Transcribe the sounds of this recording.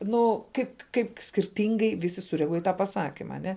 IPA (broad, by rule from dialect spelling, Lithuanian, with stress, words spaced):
ˈnʊ ˈkɐɪp ˈkɐɪp sʲkʲɪrʲˈtʲɪŋɡɐɪ ˈʋʲɪsʲɪ sʊrʲɛɐˈɡuɔj iː ˈtɑː pɐˈsɑːkʲɪmɐ ɐˈnʲɛ